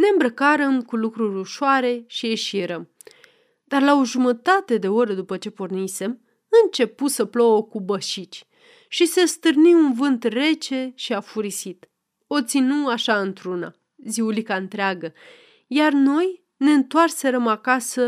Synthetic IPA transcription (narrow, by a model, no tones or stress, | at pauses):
ne̞ɨmbɾəkaɾəmkulukɾuɾʲuʃoaɾe̞ʃieʃiɾəm | d̪arlaoʒumət̪at̪e̞d̪e̞o̞ɾəd̪upət͡ʃe̞pornise̞m | ɨnt͡ʃe̞pusəplo̞wəkubəʃit͡ʃʲ | ʃise̞st̪ɨrniunvɨnt̪re̞t͡ʃe̞ʃiafuɾisit̪ | o̞t̪sinuaʃaɨnt̪ɾuna̰ | ziulikaɨnt̪ɾeaɡə | jarno̞j | ne̞ɨnt̪oarse̞ɾəmakasə